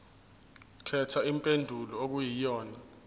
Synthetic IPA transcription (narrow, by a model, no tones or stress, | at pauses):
kʰɛtʰaimpʼendʱulɔok̬ujijɔːna